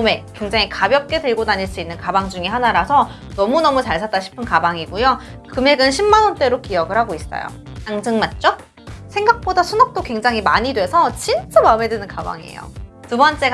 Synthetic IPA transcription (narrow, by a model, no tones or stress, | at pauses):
me̞kwe̞ŋd͡ʑaŋikabjʌp̚k͈e̞tɯɭɡodaɲiɭs͈uinːɯnkabaŋd͡ʑuŋiɦanaɾasʰʌ | nʌmunʌmut͡ɕaɭsʰat͈aɕʰi̥pʰɯnkabaŋiɡujo | kɯme̞ɡɯnɕʰimːanʌnt͈e̞ɾokijʌɡɯɭhaɡois͈ʌ̰jo̰ | aŋd͡ʑɯŋmat̚t͡ɕ͈o | sʰe̞ŋɡak̚p͈odasʰunʌk̚t͈okwe̞ŋd͡ʑaŋɦimaɲidwe̞sʰʌt͡ɕint͡ɕ͈amame̞dwɯnɯnkaba̰ŋḭḛjo̰tubʌnt͡ɕ͈e̞ɡ